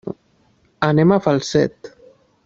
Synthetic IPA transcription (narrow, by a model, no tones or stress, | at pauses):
anemafalˠsɛ̰t̪